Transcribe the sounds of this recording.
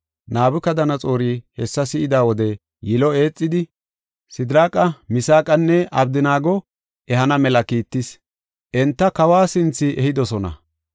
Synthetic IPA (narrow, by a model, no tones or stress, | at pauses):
naːbʊkɐd̪ɐnɐt͡sʼo̞ːɾiːhɛsːɐsɪʔɪd̪aːwɔd̪ɛ | jɪlɔe̞ːt͡sʼːɪd̪ɪ | sɪd̪ɾaːkʼɐmɪsaːkʼɐnːɛʔɐbd̪ɪnaːɡɔ | ʔɛhɐnɐmɛlɐkiːt̪ːɪs | ʔɛnt̪ːɐkɐwaːsɪnt͡sːɪʔɛhɪd̪ɔsɔnɐ̰